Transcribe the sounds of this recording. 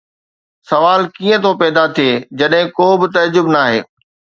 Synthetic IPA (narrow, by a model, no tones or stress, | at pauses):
sɐʋaːlkiːə̃t̪ʰopɛːd̪at̪ʰieːd͡ʑɐɗɦɪ̃koːbɪt̪ɐd͡ʑʊbnaːɦḛː